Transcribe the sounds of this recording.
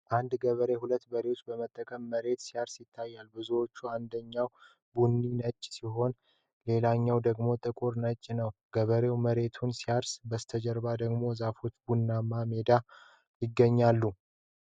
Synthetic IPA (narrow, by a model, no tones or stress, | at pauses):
ʔand̪ɡəβəɾe̞hulət̪ːbəɾewt͡ʃːbəmət̪ʼːəkʼəmːəɾe̞t̪sijaɾsjɪt̪ʰːajːalbɨzuwo̞t͡ʃːuand̪əɲːaw | bunːinət͡ʃʼːsiɦo̞n | le̞laɲːawd̪əɡmo̞t̪ʼɨkʼuɾnət͡ʃʼːnəwɡ̥əβəɾe̞wməɾe̞t̪ʰunsijaɾsbəst̪ʰəd͡ʒəɾbad̪əɡmo̞zafot̪bunːamːame̞d̪a | jɪɡːəɲːalːu